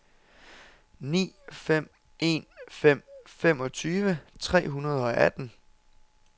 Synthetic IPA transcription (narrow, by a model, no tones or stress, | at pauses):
nḭːfem̰ | e̝̰ːnfem̰fem̰ɒ̽t͡sʰyːʋət͡sʰʁɛ̰ːɦunɐð̞ˠɒ̽ʔæd̥n̩